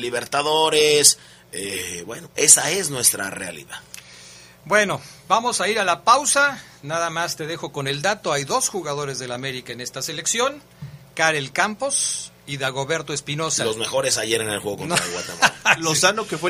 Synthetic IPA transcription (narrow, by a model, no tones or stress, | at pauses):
liβe̞ɾt̪aðoɾes | ebwe̞̰noʔe̞sae̞znwe̞st̪ɾa̰rea̰lḭðað | bwe̞no̞bamo̞saiɾalapawsa | naðamast̪e̞ðe̞xo̞ko̞ne̞ld̪at̪o̞ajðo̞sxuɣaðo̞ɾe̞zðe̞lame̞ɾikaene̞st̪ase̞le̞ksjo̞ŋ | kaɾelkampo̞s | iðaɣo̞βe̞ɾt̪o̞e̞spino̞salo̞zme̞xo̞ɾe̞saʝe̞ɾenelxweɣokonɾaɣwa̰t̪emalosanokefwe